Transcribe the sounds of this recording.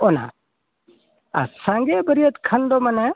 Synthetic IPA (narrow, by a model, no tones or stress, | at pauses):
ɔna̰ | a̰sãŋɡɛbəɾiət̪kʰənd̪ɔmanɛ